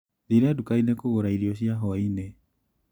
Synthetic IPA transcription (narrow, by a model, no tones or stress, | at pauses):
ðiɾeadukainekoɣoɾaiɾiɔɕiaɦɔaine